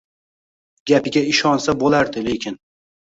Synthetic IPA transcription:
ɡʲapɪɡʲaɪʃɒnsabolaɾd̪ɪle̞kʲʰɪn

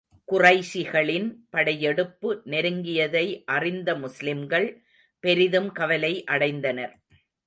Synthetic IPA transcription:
kʊrɐɪsɪɣɐɭɪnpɐɽɐjɛɽɯpːɯnɛɾɯŋɡɪjɐðɐɪʔɐrɪnd̪ɐmʊslɪmɡɐɭ | pɛɾɪðɯmkɐʋɐlɐɪʔɐɽɐɪnd̪ɐnɐɾ

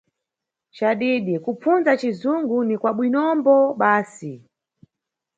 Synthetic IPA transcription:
t͡ʃaɗiːɗikup͡funzat͡ʃizuŋɡunikwaɓwinɔmbɔɓaːsi

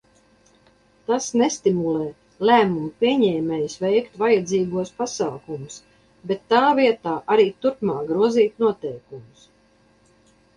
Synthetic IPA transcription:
t̪asnɛst̪imulɛː | læːmumpʲiɛɲɛːmɛjusvɛjkt̪vajad̪ziːɡuɔspasaːkumus | bɛt̪ːaːviɛt̪aːʔaɾiːt̪uɾpmaːk̚ɡɾuɔziːt̪nuɔt̪ɛjkumus

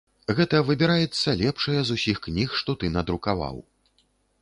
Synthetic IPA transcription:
ɣɛt̪ɐvɨbʲiɾajɛt̪sːɐlʲɛpʂɨjɐzusʲixknʲixʂt̪ɔt̪ɨnɐd̪ɾukava̰w

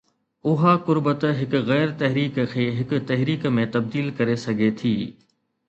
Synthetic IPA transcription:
ʊɦakʊɾbət̪ɦɪkʊɣɛːɾt̪ɐɦɾiːkkʰeːɦɪkʊ̆t̪ɐɦɾiːkmẽt̪ɐb̚d̪iːlkɐɾesɐɡʱet̪ʰiː

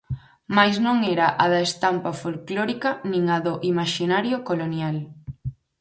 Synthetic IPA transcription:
majznõŋeeɾaʔaðɐest̪ampafolkloɾikɐnĩŋaðoʔimaʃinaɾjokolonjal

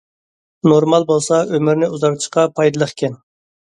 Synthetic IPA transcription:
noɾmɑlˠbolˠsɑømɪɾnɪuzɑɾt̪ʰɨ̥ʃqɑpʰɑjd̪ɨlˠəχkʲʰɛn

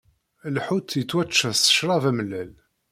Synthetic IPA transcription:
lħut̪ːjət͡sːwæt͡ʃːəsə̥ʃɾˤɑvæməlːæl

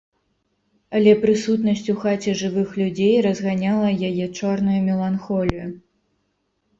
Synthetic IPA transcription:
ɐlʲɛpɾɨsut̪nɐsʲt͡sʲuxat͡sʲɛʐɨvɨxlʲud͡zʲejrɐzɣanʲalˠɐjajɛt͡ʂɔrnujumʲɛlˠanxɔlʲiju

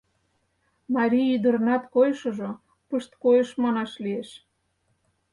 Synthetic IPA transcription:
mɑɾʲiyd̪ə̆rnɑt̪kojʃoʒo | pəʃt̪kojə̆ʃmɑnɑʃlieʃ

